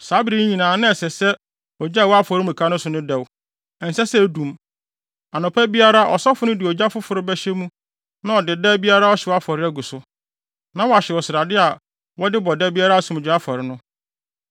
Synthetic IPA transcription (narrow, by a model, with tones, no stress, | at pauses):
sa˨˦bɾi˦ɲĩ˨nãː˨nɪ̃˦ɛ˨sɛ˨sɛ˦ | ɔ˨d͡ʑa˦˨wɔ˦a˦fɔ˨ɾɪ˦mũ˨kʰa˦nʊ̃˦sʊ˨nʊ̃˦dɛ˨w | ɛ˨n̩˨sɛ˦sɛ˦˨dũ˨m | a˨nʊ̃˨pʰæ˦bi˦a˦ɾa˦ʔɔ̰˨sɔ˦fʊ˨˦nʊ̃˦dɪ˨ɔ˨d͡ʑa˦fʊ˦fʊ˨ɾɪ˦bɛ˦ɕɛ˦mũ˦ | nã˦ɔ˨dɪ˨dɛ˦bi˦a˦ɾa˦ɔ˦ɕɛ˨wɔ˦a˦fɔ˨ɾɪ˦æ˦ɡu˨sʊ˦ | nã˦wɔ˨a˨ɕɛ˨wɔ˨sɪ˨ɾa˨dɪ˦a˨ | wɔ˦dɪ˦bɔ˨dɛ˦bi˦a˦ɾa˦sʊ̃˨m˨d͡ʑᶣɪ˨˦a˦fɔ˨ɾɪ˨˦nʊ̃˦